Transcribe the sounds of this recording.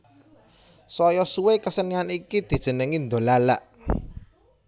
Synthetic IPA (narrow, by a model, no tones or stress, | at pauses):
sɔjɔsuwekəsənianikid̪̥i̤̥ʒ̥ə̤nəŋind̪o̤lala̰ʔ